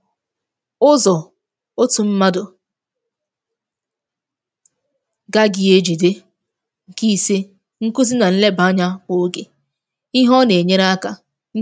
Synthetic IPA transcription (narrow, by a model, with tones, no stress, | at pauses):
ʊ˦zɔ˨ | o˦tu˨m̩˦ma˦dʊ˨ | ɡa˦ɡi˨e˦d͡ʒi˨de˦ | ŋ̩˨ki˦se˦ | ŋ̩˦ku˦z̬i˦na˨n̩˦le˦ba˨˦ɲa˦ko˨˦ɡe˨ | i˦ɦɔ˦ne˨e˨ɲe˦ɾa˦ka˨ | ŋ̩˦